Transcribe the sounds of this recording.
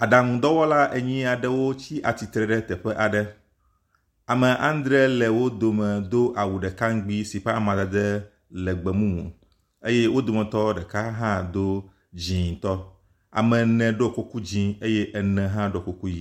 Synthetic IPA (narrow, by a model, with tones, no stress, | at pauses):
a˨ɖa˨ŋũ˨d̪ɔ˦wɔ˦la˦ʔe˨ɲĩ˦a˨ɖɛ˦wo˦t͡ɕi˦ʔa˨t̪i˨t̪ɾɛ˨ɖɛ˦t̪ɛ˨ɸɛ˦ʔa˨ɖɛ˦ | a˨mɛ̃˨ʔã˦n˦d̪ɾɛ˦lɛ˨wo˦d̪o˨mɛ̃˨d̪o˦ʔa˨wu˨ɖɛ˨ka˦ŋ̩˦ɡ͡bi˦si˨ɸe˦a˨mã˨d̪a˨d̪ɛ˦ | lɛ˨ɡ͡bɛ˨mũ˦mṵ̃˨ | e˦jɛ˦wo˦d̪o˨mɛ̃˨t̪ɔ˦ɖɛ˨ka˦ɦã˦d̪o˦ | d͡ʑĩ˨t̪ɔ˦ | a̰˨mɛ̃˨nɛ̃˨ɖo˦˨ko˦ku˦d͡ʑĩ˨˦e˦jɛ˦ʔɛ˨nɛ̃˨ɦã˦ɖo˦˨ko˨ku˦ji˦